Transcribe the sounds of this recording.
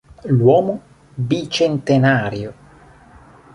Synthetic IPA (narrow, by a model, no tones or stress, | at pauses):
lwɔːmo | bit͡ʃent̪enaːɾjo